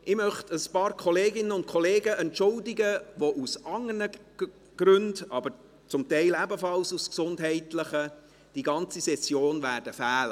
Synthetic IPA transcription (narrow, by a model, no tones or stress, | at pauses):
ʔɪmœχtəspɑːɾkʰɔleːɡɪnənʊnt̚kʰɔleːɡəʔɛntʃʊldɪɡəʋoʔusɑŋərnə | ɡ̥ɾʏndɑbəɾ | t͡sʊmtɛɪlɛbəfɑlsusksʊndɦɛɪtləχə | d̥iɡɑnt͡sisɛsjoːnvæːrd̥əfæːlə